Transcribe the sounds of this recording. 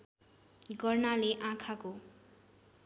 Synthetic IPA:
ɡʌrnaleʔãkʰako

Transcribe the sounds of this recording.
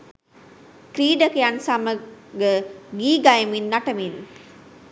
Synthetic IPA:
kɾiːɖəkejansaməɡəɡiːɡajəminːaʈəmin

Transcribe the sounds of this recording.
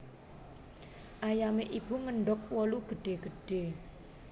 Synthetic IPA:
ʔajameʔib̥ṳŋəɳɖɔk̚wɔluɡ̥ə̤ɖ̥e̤ɡ̥ə̤ɖ̥e̤

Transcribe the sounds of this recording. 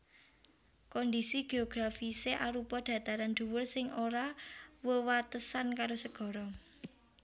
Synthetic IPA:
kɔnd̪isiɡ̥e̤oɡ̥ɾafiseʔaɾupɔd̥ä̤t̪aɾand̪̥ṳwʊrsɪŋʔoɾawəwat̪əsankaɾosəɡ̥ɔ̤ɾɔ

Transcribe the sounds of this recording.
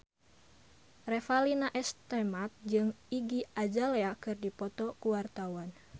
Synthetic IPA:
rɛfalinaʔɛst̪ɛmat̪̚d͡ʒɨŋiɡiad͡ʒaleakɨrdipɔt̪ɔkuwart̪awan

